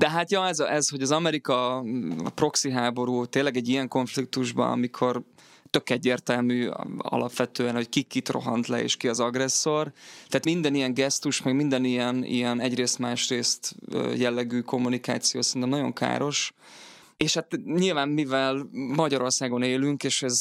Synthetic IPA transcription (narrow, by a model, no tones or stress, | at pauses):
d̪̥ɛɦat̪jɒɛzʔɛzho̞ɟɒzɒmɛɾikɒɒ̰pro̞ksiɦaːbo̞ɾuːt̪eːlːɛɡɛɟːijɛŋko̞ɱflik̚t̪uʒbɒ̰nɒ̰mikʰo̞r | t̪ø̞kɛɟːeːrt̪ɛlmyːɒ̰lʔɒpʋɛt̪øːɛnho̞ckikːit̪ro̞̰ɦɒnt̪lɛḛːʃkiɒzɒɡrɛsːo̞rt̪ɛːt̪mind̪ɛnijɛŋɡɛst̪uʃmɛɡmind̪ɛnijɛnḭjɛnɛɟreːst̪maːʃreːst̪ø̰ːjɛlːɛɡyːko̞mːunika̰ːt̪sijoːsɛrinɛmnɒɟo̞̰ŋka̰ːɾo̞ʃ | eːʃhat̪ɲilvaːmmivɛlmɒɟɒɾo̞rsaːɡo̞neːlyŋkeːʃɛz